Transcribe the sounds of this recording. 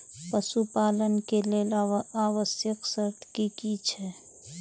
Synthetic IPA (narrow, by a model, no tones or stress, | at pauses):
pəsupaːlənkeleːlaaːʋəsjəksəɾt̪ʰkikit͡ʃʰɛ